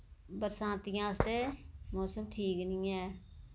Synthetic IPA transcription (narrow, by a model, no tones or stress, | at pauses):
bəɾsãːt̪ɪjãːst̪eːmoːsəmʈʰiːknɪ̃ːɛː